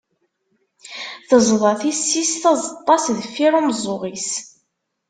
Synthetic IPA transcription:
θəzˤðˤɑθisːisθɑzˤɑt̪ˤːɑsðfːiɾˤumzˤʊʁis

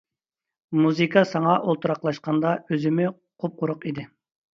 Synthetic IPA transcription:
muzɨkʰɑsɑŋɑʔolˠt̪ʰuɾɑqlˠɑʃqɑnd̪ɑøzɪmɪ | qʰop̚qʊɾʊqid̪ɪ

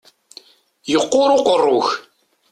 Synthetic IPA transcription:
jəqːʊɾʊqərːʊç

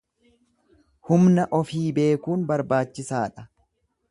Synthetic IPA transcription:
hʊmnɐʔɔfiːbe̞ːkuːnbɐɾbaːt͡ʃːɪsaːᶑɐ

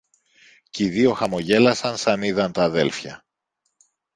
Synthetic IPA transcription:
ciðio̞xɐmo̞ʝe̞lɐsɐnsɐniðɐnt̪ɐːðe̞̰lfçɐ̰

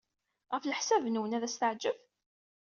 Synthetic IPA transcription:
ʁəfləħsævnwənæðæst̪əʕd͡ʒəv

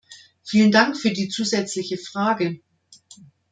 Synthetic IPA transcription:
fiːləndaŋkfyːɐdiːt͡suːzɛt͡slɪçəfʁ̥aːɡə

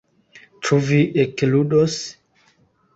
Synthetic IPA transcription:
tɾuviʔekludos

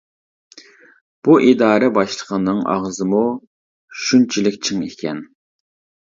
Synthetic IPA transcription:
b̥uʔid̪ɑːɾɛbɑʃlˠəqʰənːɨŋɑ̰ʁzɨmu | ʃynt͡ʃʰilɪkʲt͡ʃʰɪŋekʲʰɛn

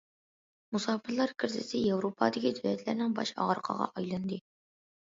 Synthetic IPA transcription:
musɑːpɨlˠɑɾkʲʰɪɾzʰɪsɪjewɾopʰɑ̰d̪ɪkʲid̪ywɛt̪læɾnɪŋbɑ̰ʃɑ̰ʁɑɾqʰɑ̰ʁɑ̰ʔɑjlˠɨnd̪ɨ

